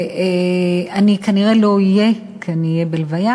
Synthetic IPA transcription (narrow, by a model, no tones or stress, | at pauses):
eanikaniʁe̞lo̞ije̞ | keaniːjebelvaja